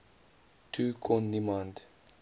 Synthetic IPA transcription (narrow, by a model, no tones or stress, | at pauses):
tʰukʰɔ̃nːimãnt